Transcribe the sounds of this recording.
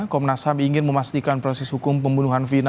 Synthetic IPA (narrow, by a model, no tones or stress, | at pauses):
kɔmnasabiiŋɪnməmast̪ikanpɾɔsɛshukʊmpəmbunuɦanfin